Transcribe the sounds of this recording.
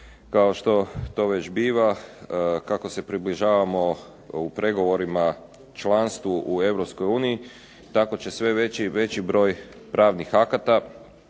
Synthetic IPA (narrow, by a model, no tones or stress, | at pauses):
kao̞ʃt̪o̞t̪o̞ːʋe̞t͡ɕbiːʋa | kako̞se̞pɾibliʒaːʋamo̞ | upɾe̞ɡo̞ʋo̞ɾima | t͡ʃlˠanst̪ʋuʔue̞ʋɾopsko̞juːnii | t̪ako̞t͡ɕe̞sʋe̞ʋe̞t͡ɕiʋe̞t͡ɕibɾo̞ːj | pɾaːʋnixakat̪a